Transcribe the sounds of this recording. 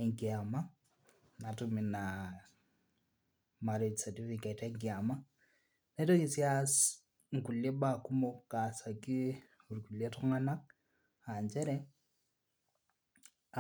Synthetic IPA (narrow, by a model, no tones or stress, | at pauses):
ɛŋkiama | natumina | maɾed͡ʒsatifiketaŋkiama | nɛtokisjas | ŋ̩kuljeɓakumokasaki | uɾikuljetɔŋanak̚ | aɲd͡ʒɛɾɛ